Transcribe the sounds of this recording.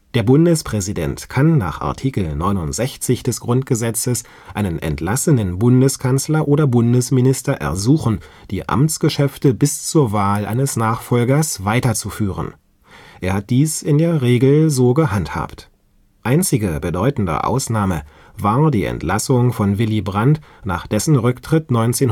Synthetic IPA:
d̥eːɐbʊndəspʁ̥ɛzidɛ̰ntkʰanːa̰ːχʔa̰ɐtʰiːkl̩nɔʏnʊntz̥ɛçt͡sɪçd̥ɛsɡ̥ʁʊnt̚ɡ̥əzɛt͡səs | ʔaɪnənʔɛ̰ntlasənənbʊndəskʰanslɐʔoːɾdɐbʊndəsmɪnɪstɐʔɛ̰ɐzuːxn̩ | d̥iːʔa̰mt͡sɡ̥əʃɛftəbɪst͡suːɐvaːlʔa̰ɪnəsnaːχfɔlɡɐsv̥aɪtɐt͡sufyːʁ̞ə̰n | ʔeːɐhat̚d̥iːsɪndeːɐʁeːɡl̩zoːɡəɦantha̰ːpt | ʔaɪnt͡sɪɡəbədɔʏtn̩də̰ʔa̰ʊsnaːmə | vaːɐdiːɛ̰ntʰlasʊŋfɔnvɪlibʁantna̰ːχd̥ɛsn̩ʁʏktʁ̥ɪtnɔʏnt͡seːn

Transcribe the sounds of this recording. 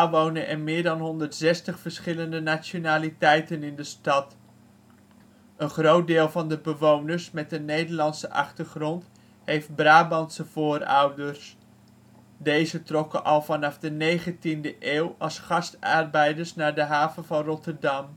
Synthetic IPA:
aʋownəʔɛnmɪːɹdɑnɦɔndəɹtsɛstəχfəɹsχɪləndənaːt͡ʃonaːlitɛjtənɪndəstɑt | ənχrowt̚dɪːlˠvɑndəbəʋownəɹsmɛt̚dənejdəɹlɑnsəʔɑ̰χtəɹχrɔnt | hejft̚braːbɑnsəvʊːɾʌwdəɹs | dejzətrɔkənʔɑlˠvɑnɑfdənejχəntindəʔeːwɑlˠsχɑstɑrbɛjdəɹsnaːɹdəɦaːvənvɑnrɔtəɹdɑm

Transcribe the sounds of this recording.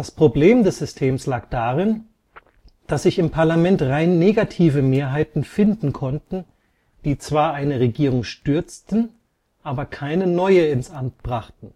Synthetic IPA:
d̥aspʁ̥obleːmdɛsz̥ʏstʰeːmslaːkd̥aːʁɪn | d̥asz̥ɪçɪmpʰaɐlamɛntʁaɪnːeːɡatʰiːvəmeːɐɦaɪtn̩fɪndn̩kʰɔntn̩ | d̥iːt͡sv̥aːɐʔaɪnəʁeɡiːʁ̞ʊŋʃtʏɐt͡stn̩ | ʔaːbɐkʰaɪnənɔʏəɪnsʔamt̚b̥ʁaχtn̩

